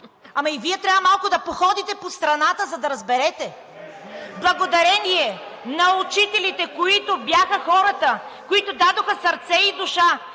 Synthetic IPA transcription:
amɐiviɛt̪ɾʲavɐmalˠkʊd̪ɐpoxɔd̪it̪ɛpost̪ɾɐnat̪əzɐd̪ɐɾɐzbɛɾɛt̪ɛ | blˠɐɡod̪ɐɾɛniɛnɐut͡ʃit̪ɛlit̪ɛkoit̪objaxəxɔɾət̪ə | koit̪od̪ad̪oxəsɐɾt̪sɛid̪ʊʃa

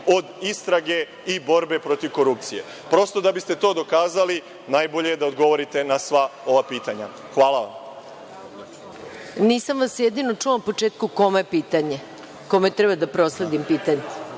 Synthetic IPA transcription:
o̞d̪ist̪ɾaɡe̞ | ibo̞ɾbe̞pɾo̞t̪iʋkoɾup̚t̪sije̞̰ | pɾo̞st̪o̞d̪abist̪e̞t̪o̞ːd̪o̞kaːzali | naːjboʎejed̪aod̪ɡo̞ʋo̞ɾit̪e̞nasʋao̞ʋapiːt̪aɲa | xʋaːlaʋa̰m | niːsamʋasjed̪inot͡ʂuʋanpo̞t͡ʂeːt̪̚kuko̞meepiːt̪aɲe | ko̞met̪ɾɛbad̪apɾo̞sled̪impiːt̪aɲe

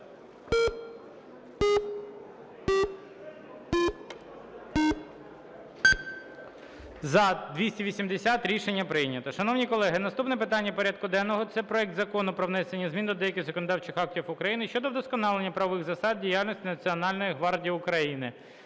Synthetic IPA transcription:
zɐd̪ʋʲisʲtʲiʋʲisʲimd̪esʲat̪ɾʲiʃenʲːɐpɾɪjnʲɐt̪ɔʃɐnɔwnʲikɔlˠɛɦɪnɐst̪upnɛpɪt̪ɑnʲːɐpɔɾʲad̪̚kʊd̪ɛnːɔɦɔt̪sɛpɾɔɛk̚d̪zɐkɔnʊpɾɔʋnɛsenʲːɐzmʲind̪ɔd̪ɛjɐkʲɪzɔkɔnɔd̪ɑwt͡ʃɪxɑk̚tʲifʊkɾɐjinɪʃt͡ʃɔd̪ɔwd̪ɔskɔnɑlˠenʲːɐpɾɐʋɔʋɪɣzɐsɑd̪̚dʲijalʲnʲɔsʲtʲinɐt͡sʲiɔnɑlʲnɔjiɦʋɑrdʲijiʊkɾɐjinɪ

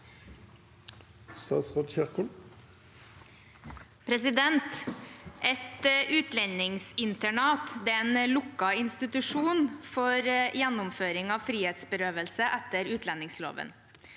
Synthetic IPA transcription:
sɑ̰ːsʁɔd̪çæʁkʊl | pʰɾɛsɪd̪ɛnt̪ʔɛt̪ʔʉːt̪lɛnɪŋsɪnt̪əɳɑːt̪d̪ɛːeːnlʊkːɑɪnst̪ɪt̪ʉʂuːnfɔɾjɛnːʊmføːɾɪŋɑːʋfɾiːheːt̪sbəɾøːʋəlsəʔæt̪ːəɾʉːt̪ʰlɛnɪŋslo̰ːʋə̰n

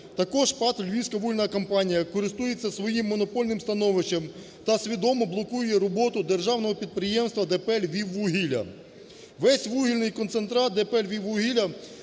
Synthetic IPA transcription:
t̪ɐkɔʒpɑt̪lʲʋʲisʲkɐʋuɦilʲnɐkɐmpɑnʲijɐkɔɾɪst̪ujet͡sʲːɐsʋɔjimːɔnɔpɔlʲnɪmst̪ɐnɔʋɪʃt͡ʃɐm | t̪ɐsʲʋʲid̪ɔmɔblˠɔkujʊjɛɾɔbɔt̪ʊd̪erʒɑwnɔɦɔpʲid̪̚pɾɪjɛmst̪ʋɐd̪ɛpɛlʲʋʲiʋːuɦʲilʲɐ̰ | ʋɛsʲʋuɦʲilʲnɪjkɔnsent̪ɾɑt̪̚d̪epɛlʲʋʲiʋːuɦʲilʲɐ

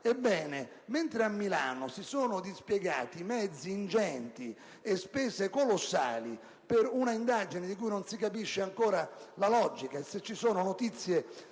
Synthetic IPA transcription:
ɛbːɛːne | ment̪ɾeamːilaːnʊsisoːnʊd̪ispjɛɡa̰ːt̪imɛd̪zːiːnd͡ʒɛnt̪i | espɛːzekolosːa̰ːli | peɾunaind̪ad͡ʒinɪd̪ikuːjnonsikapiʃːeaŋkoːɾalalɔd͡ʒikaeset͡ʃːisoːnʊnot̪it̪sːje

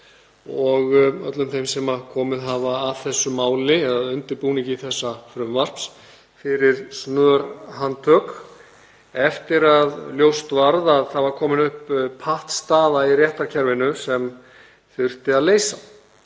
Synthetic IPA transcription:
ɔɣœ̰t̪lʏmθejmsɛmakʰɔːmɪðɦavaːðθɛsːʏmaːwlɪɛðaðʏnt̪ɪɾpuːnicɪiθɛsːafɾʏmvar̥ps | fɪɾɪɾsnœːɾɦant̪ʰœk | ɛft̪ɪɾaðljowst̪vaɾðaðθavaɾ̥kʰɔːmɪnʏhppʰːaht̪st̪aːðairjɛht̪aɾcʰɛɾvɪnʏsɛm | θʏr̥t̪ɪaðleːjsa

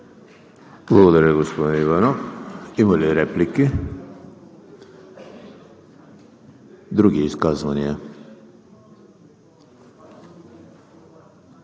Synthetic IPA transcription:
blˠaɡod̪aɾjeɡospod̪eiʋanoimolʲiɾɛpliki | d̪ɾuɡiiskazʋanije

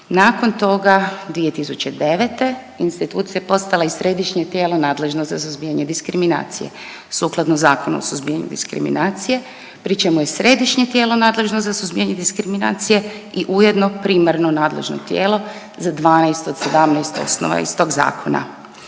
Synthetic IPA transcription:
naːko̞nt̪o̞ɡad̪ʋie̞t̪isut͡ɕed̪e̞ʋet̪e̞ | inst̪it̪uːt̪sijaepo̞st̪alaisɾe̞d̪iʃɲet̪je̞ːlo̞naːd̪le̞ʒnozasuzbiaɲed̪iskɾimina̰ːt̪sije̞̰ | suːklˠad̪nozaːkona̰o̰suzbiaɲṵd̪ḭskɾḭmḭnaːt̪sije̞ | pɾit͡ʃe̞muje̞sɾe̞d̪iʃɲet̪jeːlo̞naːd̪le̞ʒnozasuzbijaɲed̪iskɾimina̰ːt̪sije̞ | iʔuje̞d̪nopɾiːmaɾnonaːd̪lḛʒno̰t̪jḛːlo̞ | zad̪ʋaːnajst̪od̪sed̪amnajst̪o̞̰sno̰ʋa̰ḭst̪o̞ːɡza̰ːkʰona̰

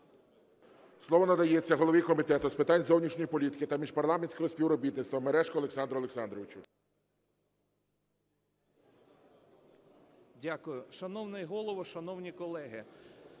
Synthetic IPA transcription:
slˠɔʋɔnɐd̪ɐjet͡sʲːɐɦɔlˠɔʋʲikɔmʲit̪ɛt̪ʊspɪt̪ɑnʲzɔwnʲiʃnʲɔjipɔlʲit̪ɪ̥kɪt̪ɐmʲiʃpɐrlˠɑmenʲsʲkɔɦɔsʲpʲiwɾɔbʲit̪nɪt̪t̪ʋɐmeɾɛʃkɔːlˠeksɑnd̪ɾɔlˠeksɑnd̪ɾɔʋɪt͡ʃu | dʲakʊjʊʃɐnɔwnɪjɦɔlˠɔʋɔʃɐnɔwnʲikɔlˠɛɦɪ

